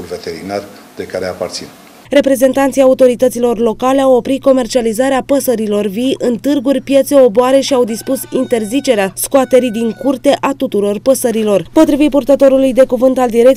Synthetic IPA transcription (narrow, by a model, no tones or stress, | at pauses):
lvet̪eɾinar | d̪e̞kaɾeapart̪sin | re̞pɾe̞ze̞nt̪ant̪sijaut̪o̞ɾit̪ət̪silo̞rlo̞kale̞awo̞pɾit̪̚ko̞me̞rt͡ʃializaɾeapəsəɾilo̞rvijʔɨnt̪ɨrɡurʲpje̞t̪se̞o̞boaɾe̞ʃiawd̪ispusint̪e̞rzit͡ʃe̞ɾeaskoat̪e̞ɾid̪iŋkurt̪e̞ʔat̪ut̪uɾo̞rpəsəɾilo̞rpo̞t̪ɾivit̪̚purt̪ət̪o̞ɾulujd̪e̞kuvɨnt̪ald̪iɾe̞k̚